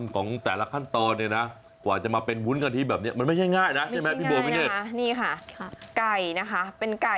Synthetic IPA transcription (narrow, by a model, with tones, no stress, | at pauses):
nkʰɔː˩˦ŋt̪ɛː˨˩la˦˥kʰa˥˩nt̪ɔː˧nːi˥˩ɐna˦˥ | kwaː˨˩t͡ɕa˨˩maː˧pe˧nwu˦˥nka˧nt̪ʰiː˥˩bɛː˨˩p̚ni˦˥ɐma˧nma˥˩jt͡ɕʰa˥˩jŋaː˥˩jna˦˥ʔt͡ɕʰmɛ˦˥˩i˥˩ɤː˧pʰi˥neː˥˩a˥niː˥˩kʰa˥˩ka˨˩jna˦˥kʰa˦˥pe˧nka˨˩